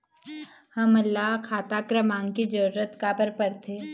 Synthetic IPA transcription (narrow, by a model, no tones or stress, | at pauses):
hɐmɐlːaɦkʰaːt̪aːkɾəmãːŋkid͡ʒɐɾuɾət̪kabəɾpɐɾt̪ʰeː